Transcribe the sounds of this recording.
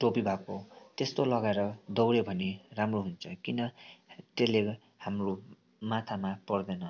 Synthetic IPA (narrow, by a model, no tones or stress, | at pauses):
ʈopibʱakot̪est̪olʌɡaeɾʌd̪ʌwɾebʱʌniramroɦunt͡sʰʌkinʌtele | hamro | mat̪ʰamapʌrd̪ʌnʌ